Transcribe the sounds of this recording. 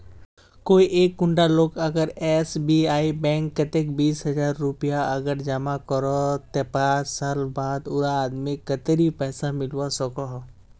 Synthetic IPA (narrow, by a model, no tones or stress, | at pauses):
koːiʔeːkːʊɳɖaloːkɐɡəɾɛːsbiaːibɛ̃ːŋkːɐt̪ekbiːsɦɐd͡ʒaːɾːʊpijaɐɡəɾd͡ʒamakəɾot̪epaːsaːlbaːd̪ʊɾaːd̪mekɐt̪eɾipɛːsamɪlwasɐkoɦ